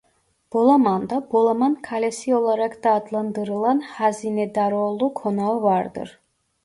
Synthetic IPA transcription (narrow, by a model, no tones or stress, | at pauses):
b̥olˠamand̪abolˠamankʰalʲesio̞lˠaɾakd̪̥aːd̪lˠand̪ɯɾɯlˠanhazinɛd̪aɾolˠukʰonaɯvaɾd̪ɯ̰ɾ